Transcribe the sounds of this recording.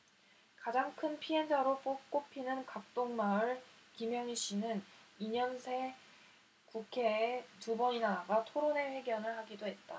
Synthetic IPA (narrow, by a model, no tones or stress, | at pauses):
kad͡ʑaŋkʰɯnpʰie̞nd͡ʑaɾop͈ok͈opʰinɯnkak̚t͈oŋmaɯɭkimjʌŋiɕ͈inɯniɲʌnsʰe̞ | kukʰe̞ːtubʌɲinaaɡatʰoɾone̞ɸwe̞ɡjʌnɯɭhaɡidoɦe̞t̚t͈a